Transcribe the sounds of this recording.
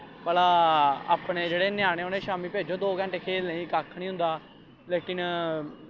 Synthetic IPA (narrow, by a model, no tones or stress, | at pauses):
pəlaːa̰ːpɳeːd͡ʒeːɽeːnɪjaːɽ̃ẽːʊneːʃaːmĩːpeːd͡ʒoːd̪oːɡə̃ɳʈeːkʰeːlnəĩːkaːkʰːɳiːɦʊ̃nd̪aː | leːkɪn